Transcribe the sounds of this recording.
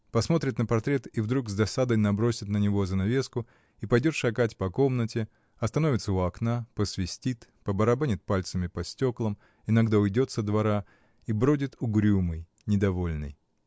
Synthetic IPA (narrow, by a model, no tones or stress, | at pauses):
pɐsmo̞t̪ɾʲɪt̪nəpɐrt̪ɾʲe̞t̪ivd̪ɾuɡzd̪ɐsad̪əjnɐbɾo̞sʲɪt̪nənʲɪvozənɐvʲe̞skʊ | ipɐjdʲo̞t̪ʂɐkatʲpɐko̞mnətʲɪ | ɐst̪ɐno̞vʲɪt̪səʊɐknapəsvʲɪsʲtʲit̪pəbəɾɐbanʲɪt̪̚palʲt̪səmʲɪpɐsʲtʲo̞klˠəm | ɪnɐɡd̪aʊjdʲo̞t̪səd̪vɐɾa | ibɾodʲɪt̪ʊɡɾʲumɨj | nʲɪd̪ɐvo̞lʲnɨ̰j